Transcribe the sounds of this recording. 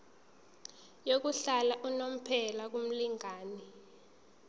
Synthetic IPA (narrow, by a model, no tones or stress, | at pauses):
jok̬uɬalaʔunom̩pʰɛlak̬um̩liŋaːni